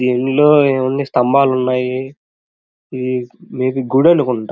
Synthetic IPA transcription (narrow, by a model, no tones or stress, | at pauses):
d̪iːnloːeːund̪ist̪ɐmbaːlunːaːji | d̪imeːpiɡuɽɐnukuɳʈa